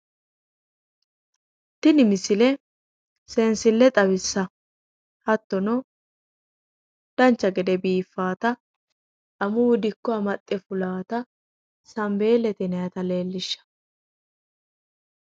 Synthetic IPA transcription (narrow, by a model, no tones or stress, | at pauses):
t̪ːɪnɪmɪsɪlɛ | sɛnsɪlːɛt̪ʼɐβɪsːɐ | hɐt̪ːɔnɔ | d̪̥ɐnt͡ʃːɐɡɛd̪ɛbiːfːaːt̪ɐ | ʔɐmʊwd̪ɪkːɔɐmɐt̪ʼːɛfʊlaːt̪ɐ | sɐmbe̞ːlːɛt̪ɛnɛjɐt̪ɐle̞ːlːɪʃːɐ̥